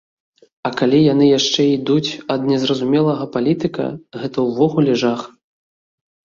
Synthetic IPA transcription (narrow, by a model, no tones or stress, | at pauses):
ɐkalʲijanɨjaʂt͡ʂɛid̪ut͡sʲɐd̪nʲɛzrɐzumʲɛlˠɐɣɐpalʲit̪ɨkɐ̰ɣɛt̪ɐwvɔɣulʲɛʐax